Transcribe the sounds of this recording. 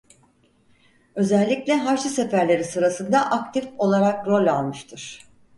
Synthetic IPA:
ø̞zælʲːiclʲɛɦaɾʃase̞fæɾlʲe̞ɾisɯɾasɯnd̪aʔak̚t̪ʰifo̞lˠaɾak̚ɾo̞lʲalˠmɯʃt̪ʰɯɾ̥

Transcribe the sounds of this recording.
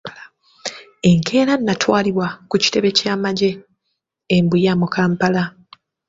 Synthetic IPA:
e̞ŋkʰe̞ːɾanːatwaːliβwakuci̥te̞βe̞caːmaɟe̞ː | mbujamukaːmpala

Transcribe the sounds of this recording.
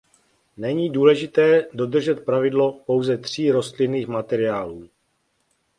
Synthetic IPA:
nɛɲiːduːlɛʒɪt̪ɛːdo̞d̪r̩ʒɛt̪̚pɾavɪdlo̞po̞wzɛt̪r̝̥iːɾo̞st̪lɪniːxmat̪ɛɾɪaːluː

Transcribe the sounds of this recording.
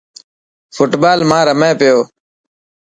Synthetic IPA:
fʊʈbaːlmãːɾəmẽːpɪjoː

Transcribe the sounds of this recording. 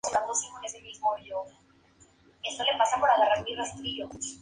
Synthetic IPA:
unand̪osimonezemizmoʝo | e̞st̪olepasapoɾaɣaraɾmirost̪ɾio

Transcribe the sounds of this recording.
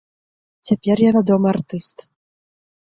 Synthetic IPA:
t͡sʲapʲɛrjavʲad̪ɔmɨɐrt̪ɨst̪

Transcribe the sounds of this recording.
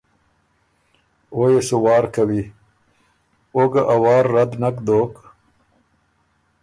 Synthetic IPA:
oːjesuwɑːɾkawi | oɡaʔawɑːɾːad̪nakd̪oːk

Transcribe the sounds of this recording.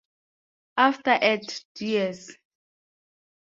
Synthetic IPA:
aftaʔɛtdiɛs

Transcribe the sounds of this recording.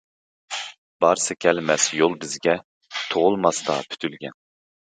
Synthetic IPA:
b̥ɑɾsɑkʲʰɛlmɛsjolˠbɪzɡʲɛ | t̪ʰoʁʊlˠmɑsd̪ɑ̰pʰy̥t̪ʰylɡʲɛn

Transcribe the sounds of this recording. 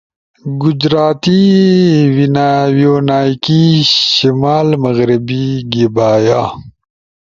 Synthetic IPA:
ɡʊd͡ʒɾaːt̪i | winawjoːnaːjkiʃimaːlmɐɣɾibiɡebaːjaː

